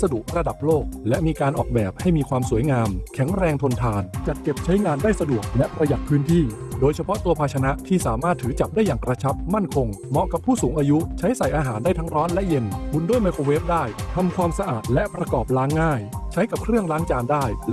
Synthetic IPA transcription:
sa˧du˨˩ək̚ɾa˧da˨˩p̚loː˥˩k̚lɛ˦˥ʔmiː˧kaː˧nʔɔ̰ː˨˩k̚bɛ̰ː˨˩p̚ha˥˩jmiː˧kʰwaː˧msuː˨˩˦əjŋaː˧mkʰɛ˩˦ŋɾɛː˧ŋt̪ʰo˧nt̪ʰaː˧nt͡ɕa˨˩t̪̚t͡ɕe˨˩p̚t͡ɕʰa˦˥jŋaː˧ndaː˥˩jsa˧du˨˩ək̚lɛ˦˥ʔpɾa˧ja˨˩k̚pʰɯː˦˥nt̪ʰiː˥˩ | doː˧jt͡ɕʰa˧pʰɔ˦˥ʔt̪u˧ɐpʰaː˧t͡ɕʰa˧na˦˥ʔt̪ʰiː˥˩saː˩˦maː˥˩t̪ʰːɯː˩˦t͡ɕa˨˩p̚daː˥˩jːaː˨˩ŋkɾa˧t͡ɕʰa˦˥p̚ma˥˩nkʰo˧ŋmɔ˦˥ʔka˨˩pʰːuː˥˩suː˩˦ŋʔaː˧ju˦˥t͡ɕʰa˦˥jsa˨˩jʔaː˧ɦaː˩˦ndaː˥˩jt̪ʰa˦˥ŋɾɔː˦˥nlɛ˦˥ʔje˧nbu˧ndu˥˩əjma˧jkʰoː˧weː˦˥p̚daː˥˩jt̪ʰa˧mkʰwaː˧msa˧ʔaː˨˩t̪̚lɛ˦˥pɾa˧kɔː˨˩p̚laː˦˥ŋːaː˥˩jt͡ɕʰa˦˥jka˨˩p̚kʰɾɯ˥˩əŋlaː˦˥ŋt͡ɕaː˧ndaː˥˩j

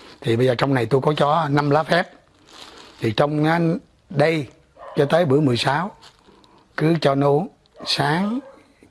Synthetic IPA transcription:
t̪ʰi˨˩ɓə˧jzəː˨˩t͡ɕɔ˧wŋ͡mna˨˩jt̪u˧jkɔ˨˦t͡ɕɔ˧na˧mlaː˨˦˥fɛ˦˥p̚ | t̪ʰi˨˩t͡ɕɔ˧wŋ͡maː˨˦ | ɗə˧j | t͡ɕɔ˧t̪əː˨˦jɓɨ̰˧˥əmɨ˨˩əjsaː˨˦w | kɨ˨˦t͡ɕɔ˧no˧˦ | saː˨˦ŋ

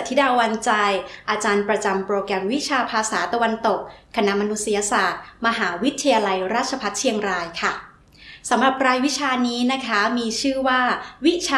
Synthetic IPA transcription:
t̪ʰːi˦˥daː˧wa˧nt͡ɕa˧jʔaː˧t͡ɕaː˧npɾa˧t͡ɕa˧mpɾoː˧kɾɛ˧mwi˦˥t͡ɕʰaː˧pʰaː˧saː˩˦t̪a˧wa˧nt̪o˨˩k̚ʰːa˧na˦˥ma˧nu˦˥t̪si˧˦jaː˧saː˨˩t̪̚ma˧ɦaː˩˦wi˦˥t̪ʰːa˧jaː˧la˧jɾaː˥˩t͡ɕʰa˧pʰa˦˥t̪̚t͡ɕʰi˧əŋɾaː˧jkʰa˥˩ | sa˩˦mɾa˨˩p̚ɾaː˧jwi˦˥t͡ɕʰaː˧niː˦˥na˦˥kʰa˦˥miː˧t͡ɕʰɯː˥˩waː˥˩wi˦˥t͡ɕʰaː˧

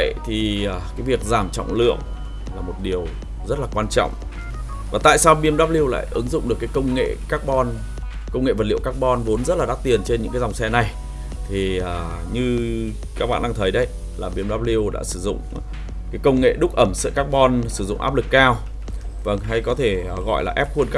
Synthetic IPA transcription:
ə˧˨jt̪ʰi˨˩əː˨˩kaː˨˦jvi˨˩ək̚zaː˧˩mt͡ɕɔ̰˧˨wŋ͡mlɨ̰˧˨əŋ | laː˨˩mo˨˩t̚ɗi˨˩əw | zə˦˥t̚laː˨˩kwaː˧nt͡ɕɔ̰˧˨wŋ͡m | vaː˨˩t̪a̰ː˧˨jsaː˧wɓi˧əmɗaː˦˥p̚li˧əwla̰ː˧˨jʔɨ˨˦ŋzʊ̰˧˨ŋ͡mɗɨ˨˩əkːjkə˧wŋ͡mŋḛ˧˨kaː˦˥k̚ɓɔ˧n | kə˧wŋ͡mŋḛ˧˨və˨˩t̚lḭ˧˨əwkaː˦˥k̚ɓɔ˧nvo˨˦nzə˦˥t̚laː˨˩ɗaː˦˥t̪i˨˩ənt͡ɕe˧nɲɨ̰˧˥ŋaː˨˦za˨˩wŋ͡msɛ˧na˨˩j | t̪ʰi˨˩əː˨˩ɲɨ˧ | kaː˦˥k̚ɓa̰ː˧˨nɗa˧ŋt̪ʰə˨˦jɗə˧˦j | laː˨˩ɓi˧əmɗaː˦˥p̚li˧əwɗa̰ː˧˥sɨ˧˩zʊ̰˧˨ŋ͡m | kaː˨˦jkə˧wŋ͡mŋḛ˧˨ɗʊ˦˥k̚ʔə˧˩msɨ̰˧˨kaː˦˥k̚ɓɔ˧nsɨ˧˩zʊ̰˧˨ŋ͡mʔaː˦˥p̚lɨ˨˩kːaː˧w | və˧˩ŋɦa˧jkɔ˨˦t̪ʰe˧˩ɣɔ̰˧˨jlaː˨˩ʔɛ˦˥p̚xwu˧ənka˦

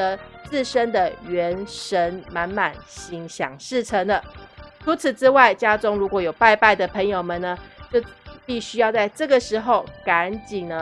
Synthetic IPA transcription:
ə˧˦t͡sɹ̩˥˨ʂə˥nd̪ə˨ɥɛ˧˥nʂə˧˦˥nma˧˥nma˨˩nɕi˧˥ŋɕjɑ̰˨˩ŋʂɻ̩˥˩ʈ͡ʂʰə˧˥ŋd̪ə˨ʈ͡ʂʰu˧˦˥t͡s̩ʰ˨˩ʈ͡ʂɻ̩˥wa˥˩ɪt͡ɕja˥ʈ͡ʂʊ˥ŋɻu˧˥kwɔ˨˥jo˨˩ʊpa˥˧ɪpa˥˩ɪd̪ə˩pʰə˧˥ŋjo˨ʊmə˨nə˩t͡ɕjo˥˧ʊpi˥˩ɕy˥jɑ˥˧ʊt͡sa˥˧ɪʈ͡ʂɤ˥˩ɡə˩ʂɻ̩˧˥xo˨˩ʊka˨˧˦nt͡ɕi˨˩ŋnə˦

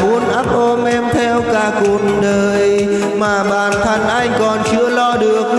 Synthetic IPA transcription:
ɓu˨˦ənʔa˦˥p̚ʔo˧mʔɛ˧mt̪ʰɛ˧wkaː˧˩ku˨˩ət̚ɗəː˨˩j | maː˨˩ɓaː˧˨˩nt̪ʰə˧˩ŋʔa˧jŋ̟kɔ˨˩nt͡ɕɨ˧əlɔ˧ɗɨ˨˩ək̚

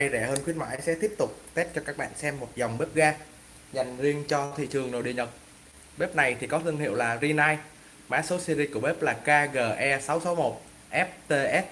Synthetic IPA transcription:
jzɛ˧˩həː˧nxwi˦˥ənma̰ː˧˨˦jsɛ̰˧˥t̪i˦˥əp̚t̪ʊ˨˩k͡p̚t̪e˦˥t̚t͡ɕɔ˧kaː˦˥k̚ɓa̰ː˧˨nsɛ˧mːo˨˩t̚za˨˩wŋ͡mɓe˦˥p̚ɣaː˧ | za˨˩jŋ̟zi˧ənt͡ɕɔ˧t̪ʰḭ˧˨t͡ɕɨ˨˩əŋno̰˧˨ɗḭ˧˨ɲə˨˩t̚ | ɓe˦˥p̚na˨˩jt̪ʰi˨˩kɔ˨˦t̪ʰi˧ənhḭ˧˨əwlaː˨˩zi˧naː˧j | ma̰ː˨˥so˨˦si˧zi˧ku˧˩əɓe˦˥p̚laː˨˩kaː˧ɣəː˨˩ʔɛ˧sa˨˦wso˨˦wmo˨˩t̚ | ʔɛ˦˥p̚t̪e˧ʔɛ˦˥p̚

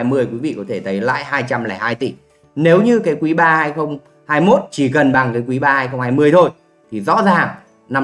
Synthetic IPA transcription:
jmɨ˧əjkwi˨˦vḭ˧˨kɔ˨˦t̪ʰe˧˩t̪ʰə˨˦jla̰ː˧˨jhaː˧jt͡ɕa˧mla̰ː˧˩haː˧jt̪i˧˩ | ne˨˦wɲɨ˧kaː˨˦jkwi˨˦ɓaː˧haː˧jxə˧wŋ͡m | haː˧jmo˦˥t̚t͡ɕi˧˩kə˨˩nɓa˨˩ŋkaː˨˦jkwi˨˦ɓaː˧haː˧jxə˧wŋ͡mhaː˧jmɨ˧əjt̪ʰo˧j | t̪ʰi˨˩zɔ̰˧˥zaː˨˩ŋ | na˧

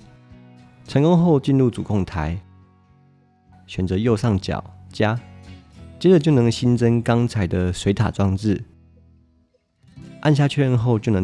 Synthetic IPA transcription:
t͡sʰə˧˥ŋko˥˦ŋxo˥˧ʊt͡ɕi˥˧nɻu˥˩t͡su˨˩kʰo˥˩ŋt̪ʰa˨˦ɪ | ɕɥɛ˨˩nt͡sə˨˦jo˥˧ʊsɑ˥˩ŋt͡ɕjɑ̰˨˩ʊt͡ɕja˦˥ | t͡ɕjɛ˥d͡zə˨˩t͡ɕjo˥˩ʊnɤ˧˥ŋɕi˦nt͡sə˦nkɑ˦ŋt͡sʰa˨˥ɪd̪ə˨swe˧˥ɪt̪ʰa̰˨˩t͡swɑ˥˧ŋt͡sɻ̩˥˨ | ʔa̰˥˨nɕja˥˧t͡ɕʰɥɛ˥˨˩ɻə˥˧nxo˥˧ʊt͡ɕjo˥˩ʊnə˧˦

